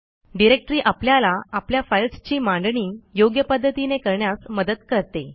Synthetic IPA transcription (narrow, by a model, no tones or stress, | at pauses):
ɖiɾek̚ʈɾiːʔapljalaapljafajlst͡ɕiːmãɳɖɳiːjoɡjəpəd̪ʱːət̪inekəɾɳjasməd̪ət̪kəɾt̪e